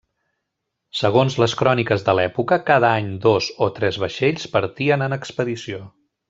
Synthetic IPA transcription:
səɣ̞onzləskɾɔnikəzðəlɛpukəkað̞əaɲd̪ozot̪ɾɛzβəʃeʎspəɾt̪iənənəkspəðisio

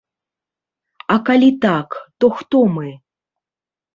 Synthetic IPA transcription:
akalʲit̪akt̪ɔxt̪ɔmɨ

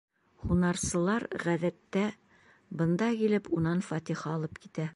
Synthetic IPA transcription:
χunɑɾsɤ̆lˠɑɾʁæðæt̪ːæ | bɤ̆nd̪ɑkilɘpunɑnfɑt̪iχɑɒlˠɤpkit̪æ

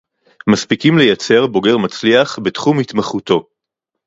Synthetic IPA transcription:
maspikimlejat͡se̞ʁbo̞ɡe̞ʁmat͡sliaχbetχumhit̪maχuto̞

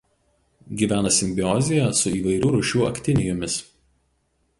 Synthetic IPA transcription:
ɡʲiːʋʲæːnɐsʲɪmʲbʲɪɔzʲɪjæsʊiːʋɐɪɾʲuːɾʊʃʲuːɐ̰kʲt̪ʲɪnʲɪjomʲɪs

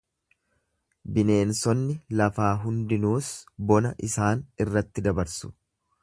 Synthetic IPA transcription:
bɪne̞ːnsɔnːɪlɐfaːɦʊnd̪ɪnuːsbɔnɐʔɪsaːnɪrːɐt̪ːɪd̪ɐbɐɾsʊ̥

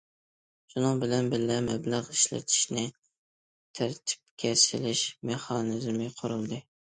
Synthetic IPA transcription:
ʃunɨŋbɪlɛnbɪɾlɛmɛblæʁiʃlɛ̰t̪ʰɪ̥ʃnɪ | t̪ʰæɾt̪ʰɪ̥p̚kʲʰɛsɪ̰lɪʃmeχɑnɪzmɪqʰʊɾɨlˠd̪ɨ

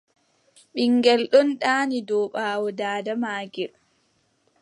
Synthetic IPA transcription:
ɓiŋɡɛlɗɔnɗaːnidɔːɓaːwɔdaːdamaːɡiɾ

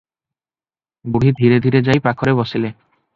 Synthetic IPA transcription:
buɽ̤id̪ʱiɾed̪ʱiɾed͡ʒajpakʰɔɾebɔsile

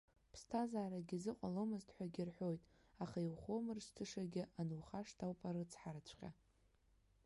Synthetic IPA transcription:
pʰstʰazaːɾaɡʲizɨqʷʼalomɨztʼħʷᶣaɡʲɪrħʷo̞jtʼ | aχaiwχo̞mɨrstʰɨʂaɡʲɪʔanuwχaʂtʰawpʼaɾɨt͡sʰħaɾat͡ɕʷʰqʲa̰

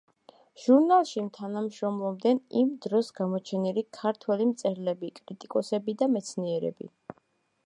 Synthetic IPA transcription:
ʒ̥uɾnalˠʃimt̪ʰanamʃɾɔmlˠɔmd̪ɛnimd̪ɾɔsɡamɔt͡ʃʰɛnilikʰaɾt̪ʰwɛlimt̪sʼɛɾlɛbikʼɾit̪ʼikʼɔsɛbid̪amɛt̪sʰniɛɾɛ̰bḭ

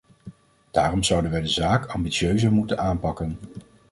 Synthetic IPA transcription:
d̥aːrɔmzʌwdənʋɛjdəzaːkʰɑmbitsøɥzəɹmutənaːnpɑkən

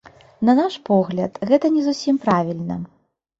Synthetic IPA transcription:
nɐnaʂpɔɣlʲɐt̪ɣɛt̪ɐnʲɛzusʲimpɾavʲilʲnɐ̰

